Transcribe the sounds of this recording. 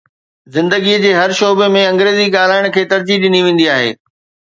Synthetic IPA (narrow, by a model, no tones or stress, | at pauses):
zɪ̃nd̪əɡiəd͡ʑeːɦɐɾʃoːbemẽɐ̃ŋɡɾeːziɠaːl̤aːɪɽ̃kʰeːt̪ɐɾd͡ʑiɗɪniʋẽːnd̪iaːɦḛː